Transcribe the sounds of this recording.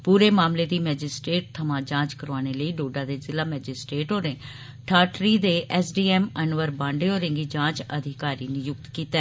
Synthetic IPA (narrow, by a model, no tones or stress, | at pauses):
puːɾeːmaːmleːd̪iːmɛːd͡ʒɪsʈɾeːʈ̚t̪ʰəmãːd͡ʒãːt͡ʃkəɾʋaːñeːləiːɖoːɖãːd̪eːzɪlaːmɛːd͡ʒɪsʈɾeːʈoːɾẽ | ʈʰaːʈɾiːd̪eːʔɛːsɖiːɛːmənʋəɾbãːɳɖeːoːɾɪ̃ŋɡiːd͡ʒãːt͡ʃəd̪ʱɪkaːɾiːnijʊk̚t̪kiːt̪ɛː